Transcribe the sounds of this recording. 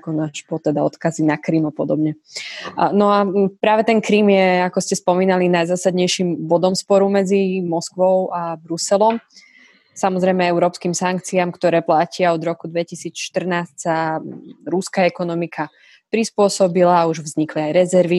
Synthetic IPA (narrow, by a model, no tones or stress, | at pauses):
kɔnaʃpɔt̪ɛd̪aɔt̪kazinakɾiːmapɔd̪ɔbɲɛ | nɔapɾaːʋɛt̪ɛnkɾiːmjɛakɔscɛspɔmiːnalinajzaːsad̪ɲɛjʃimbɔd̪ɔmspɔɾumɛd͡zimɔskʋɔʊʔabɾusɛlɔm | samɔzɾɛjmɛɛʊɾɔːpskimsaŋk̚t͡siamkt̪ɔɾɛːplacɪaɔd̪ɾɔkud̪ʋɛcisiːt͡sʃt̪r̩naːscsa | ɾuskaɛkɔnɔmikʰa | pɾispʊɔsɔbilaːuʒvzɲikliajɾɛzɛɾʋi